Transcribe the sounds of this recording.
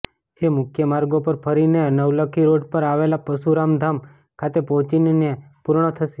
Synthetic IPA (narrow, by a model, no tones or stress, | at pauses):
d͡ʒemʊkʰjəmaɾɡopəɾpʰəɾinenəʋləkʰiɾoɖpəɾaʋelapəsuɾamd̪ʱam | kʰat̪epɔt͡ʃinne | puɾɳ̃ət̪ʰəʃe̥